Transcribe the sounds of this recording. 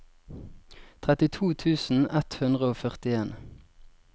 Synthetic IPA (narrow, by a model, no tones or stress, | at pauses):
t̪ʰʁɛt̪ɪt̪ʰuːt̪ʰʉːsn̩ɛt̪hʉnʁəoːfœʁt̪ɪeːn